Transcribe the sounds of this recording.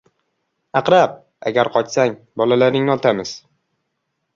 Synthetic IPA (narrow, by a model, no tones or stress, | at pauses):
ɑqɾap̚ | a̰ɡʲaɾqʰɒt͡ʃsaŋ | bɒlalaɾnɪŋnɒt̪ʰamɪz̥